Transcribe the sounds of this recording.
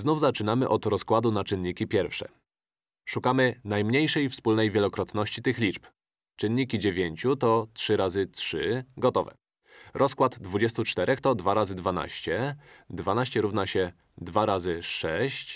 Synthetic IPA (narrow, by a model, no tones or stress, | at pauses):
znuvzat͡ʂɘnamɘʔɔt̪ɾɔskwad̪unat͡ʂɘnɲikʲipʲjɛɾfʂɛ̰ | ʂukamɘnajmɲejʂɛjfspulnɛjvʲjɛlɔkɾɔt̪nɔɕt͡ɕit̪ɘxlʲit͡ʂp | t͡ʂɘnɲikʲid͡ʑevʲjeɲt͡ɕut̪ɔtʂɘɾazɘtʂɘɡɔt̪ɔvɛ̰ | ɾʔɔskwad̪d̪vud͡ʑɛst̪ut͡ʂt̪ɛɾʔɛxt̪ɔd̪vaɾazɘd̪vana̰ɕt͡ɕɛd̪vanaɕt͡ɕɛɾuvnaɕɛ | d̪vaɾazɘʂɛɕt͡ɕ